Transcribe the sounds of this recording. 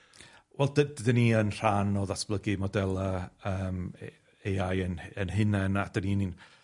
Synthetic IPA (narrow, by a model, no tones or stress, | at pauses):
wʔɛlˠdədədəniənr̥anɔðasb̥lˠəɡɨmɔdɛlˠaəːm | ejajənənɦɪnɛnad̥əninin